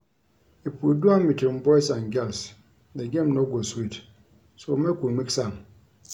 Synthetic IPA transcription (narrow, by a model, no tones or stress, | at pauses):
ipuduambitwimbɔjsãnɡɛls | deɡẽmnoɡoswit | somekumiksaŋ